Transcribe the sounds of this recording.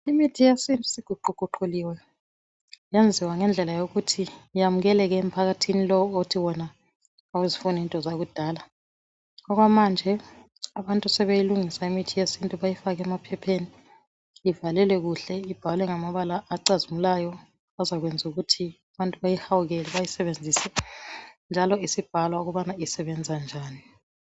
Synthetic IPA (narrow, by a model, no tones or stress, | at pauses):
imitʰijesintʼusiɡ̥ʱuǃʱuǃ̥ʱuǃuliwɛ | jend͡zʱiwaŋɛnd͡ɮʱɛlajoɣutʰijamuɣɛlɛɣɛːm̩pʰaɣatʰinilɔwotʰiwɔna | awuzifunintʼɔzaɣud̥ʱaːla | ɔɣwamand͡ʒʱɛ | aβantʼusɛβejiluŋisaimitʰijesintʼuβajifaɣɛmapʰɛpʰeːniː | valɛlɛɣuɬɛib̥ʱalwɛŋamaβalaʔːǀazimulajɔ | azaɣwend͡zʱuɣutʰiaβantʼuβajihawuɣɛlɛβajisɛβend͡zʱisɛ | nd͡ʒʱalɔisib̥ʱalwauɣuβanaisɛβɛnd͡zʱand͡ʒʱaːni